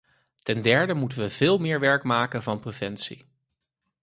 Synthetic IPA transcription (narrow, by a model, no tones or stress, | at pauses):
tɛndɛɹdəmutənʋəv̥ɪːlˠmɪːɹʋɛɹkmaːkənvɑnprəvɛntsḭ